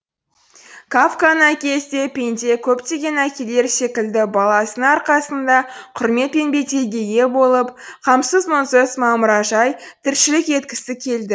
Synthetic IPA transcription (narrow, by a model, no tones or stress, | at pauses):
kʰafkanækʲe̞st̪e̞pʲe̞nt̪ʲe̞kʲʰɵpt̪e̞ɡʲe̞nækʲe̞le̞ɾse̞kʲɪld̪ɪbɑlˠɑsənəɑɾqɑsənd̪ɑqʰʊɾme̞t̪̚pe̞nbe̞t̪e̞ɡʲe̞ɡʲe̞bo̞lˠəpqʰɑmsəzmonsəzmɑmʊɾɑʒɑjt̪ʰɪɾʃɪlɪke̞t̪kʲɪ̥sɪkʲʰe̞ld̪ɪ